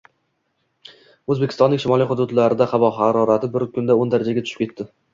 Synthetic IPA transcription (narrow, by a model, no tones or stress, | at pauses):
ɵzbekʲɪ̥st̪ɒnːɪŋʲʃɪmɒlijχʊd̪ʊd̪laɾɪd̪aχavɒɦaɾɒɾat̪ʰɪbɪɾkʲʰʊnd̪aond̪aɾad͡ʒaɡʲat̪ʰʊ̥ʃɪ̥pkʰʲe̞t̪ːɪ